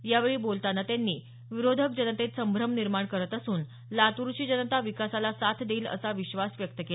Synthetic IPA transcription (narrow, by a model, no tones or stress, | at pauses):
jaʋeɭiːbolt̪anat̪janːiː | ʋiɾod̪ʱək̚d͡ʑənət̪et̪səmbʱɾəmniɾmaɳkəɾət̪əsuːn | lat̪uɾɕiːd͡ʑənət̪aʋikasalasat̪ʰd̪eːlə̰saʋiɕʋasʋjək̚t̪əke